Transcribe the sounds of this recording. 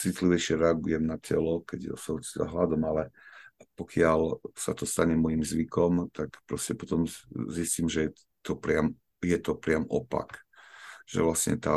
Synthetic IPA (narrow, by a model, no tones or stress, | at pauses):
t͡sit̪liʋɛjʃɪɛɾɛaɡujɛmnacʰɛ̰lɔkɛɟɔ̰sɔt͡sɛza̰ɦlad̪ɔmalɛpɔkɪalsat̪ɔst̪aɲɛmɔjimzʋikɔmt̪akpɾɔscɛpɔt̪ɔmzisciːmʒɛɛ | t̪ɔpɾɪam | jɛt̪ɔpɾɪamʔɔpa̰k | ʒ̥ɛ̰ʋlasɲɛ̰t̪a̰ː